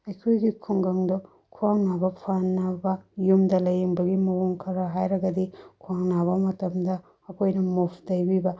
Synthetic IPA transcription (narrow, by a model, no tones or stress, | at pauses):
ɐjkʰojɡikʰuŋɡɐŋdo | kʰuwaŋnabɐpʰanːabɐjumdɐlɐjeŋbɐɡimɐwoŋkʰɐɾɐɦajɾɐɡɐdikʰuwaŋnaβɐmɐtɐmdɐː | kʰojnɐmopʰdɐjbibɐ